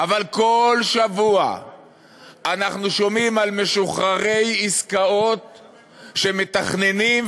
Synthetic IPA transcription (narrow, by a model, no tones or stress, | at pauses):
ʔavalko̞lʃavua̰ | anaχnuʃo̞mimalme̞ʃuχaʁe̞jiskao̞t̪ | ʃe̞me̞t̪aχne̞nim